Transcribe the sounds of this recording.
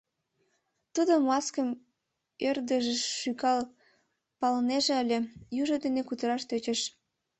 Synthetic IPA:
t̪ud̪omɑskəm | ørd̪əʒeʃykɑl | pɑləneʒĕəlʲĕjuʒod̪enekut̪əɾɑʃt̪øt͡ɕĕʃ

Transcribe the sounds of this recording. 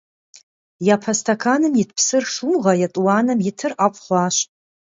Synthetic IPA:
japʰɐstʰɐkʰanɨmjɪtʰpʰsɨrʂuʁɐjatʼwaːnɨmjɪtʰɨrʔaqʷʼχʷaːɕ

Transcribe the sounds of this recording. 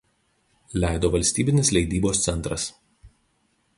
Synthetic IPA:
lʲæˑɪd̪oːʋɐlʲsʲt̪ʲiːbʲɪnʲɪslʲɛɪd̪ʲiːboːst̪sʲɛnt̪ɾɐs

